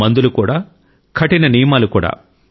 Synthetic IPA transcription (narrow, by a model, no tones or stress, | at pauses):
ɐnd̪ulukuːɽaː | kʰɐʈinɐnijɐmaːlukuːɽa̰ː